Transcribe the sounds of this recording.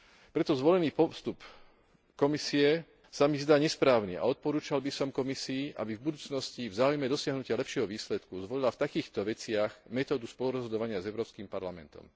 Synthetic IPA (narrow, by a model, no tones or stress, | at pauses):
pɾɛt̪ɔzʋɔlɛniːpɔst̪up | kɔmisiɛ | samizd̪aːɲɛspɾaːʊnḭʔa̰ɔt̪̚pɔɾuːt͡ʃalbisɔmkɔmisiːʔa̰bivbud̪uːt͡snɔscivzaːujmɛd̪ɔsɪaɦnucɪalɛpʃɪɛɦɔʋiːslɛt̪kuzʋɔlilaft̪akiːxt̪ɔʋɛt͡sɪaɣmɛt̪ɔːd̪uspɔluɾɔzɦɔd̪ɔʋaɲɪazɛʊɾɔːpskimpaɾlamɛ̰nt̪ɔ̰m